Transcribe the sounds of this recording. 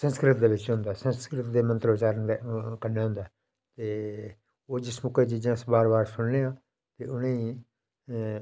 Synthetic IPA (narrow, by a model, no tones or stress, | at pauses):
sə̃nskɾɪt̪̚d̪eːbɪt͡ʃɦʊ̃nd̪aːsə̃nskɾɪt̪d̪eːmənt̪ɾəbɪt͡ʃaːɾənekənːeːɦʊ̃nd̪aː | t̪eː | oːd͡ʒɪsmʊkeːd͡ʒɪd͡ʒãːsbaːɾbaːɾsʊnlẽːãː | t̪eːʔʊnẽː